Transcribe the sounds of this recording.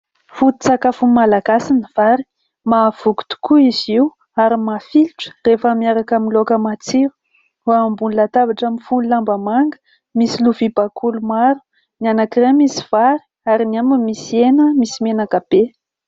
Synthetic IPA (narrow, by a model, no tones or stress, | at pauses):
fut̪i̥t͡sakafumalaɡasinəv̥aɾi̥ | mav̥uɡu̥t̪u̥kuiziw | aɾimafilʈ͡ʂə̥refəmiaɾakaminlokəmat͡siɾu̥ | ambunlat̪avaʈ͡ʂamifunilambamaŋɡə̥ | misiluvibakʰulumaɾu̥ | nianakiremisi̥v̥aɾi̥ | aɾiniamimisienəmisimenakab̥e